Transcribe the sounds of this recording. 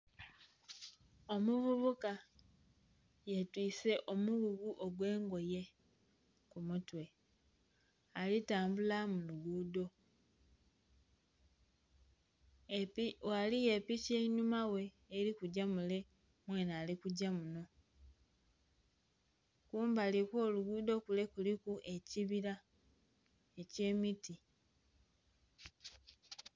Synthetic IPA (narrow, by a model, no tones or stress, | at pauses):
o̞muvuβuka | jetwiːse̞ʔo̞muɣuɣuʔoɡwe̞ːŋɡo̞je̞ | kumutwe̞ | alitaːmbulamuluɡuːdo̞ | walije̞piʃeiɲumawe̞ː | ɾikuɟamule̞ | mwe̞ːnaːlikuɟamuno̞ | kuːmbalikwo̞ːluɡuːdo̞kule̞kulikuʔe̞ciβiɾa | e̞ce̞ːmiti